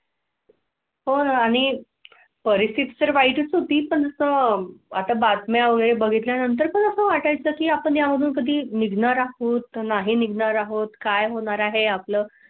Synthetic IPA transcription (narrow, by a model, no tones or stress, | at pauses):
ɦonaaɽ̃i | pəɾist̪ʰit̪isəɾʋaiʈət͡sɦot̪iːpəɳd͡zəsəːat̪abat̪mjaʋəɡəɭebəɡʱit̪ljanənt̪̬əɾpəɳəsəːʋaʈajt͡səkiːapəɳjaməd̪ʱuːnkəd̪ʱiːniɡnaɾaɦot̪naɦiniɡnaɾaɦot̪kajɦoɽ̃aɾaɦeapləː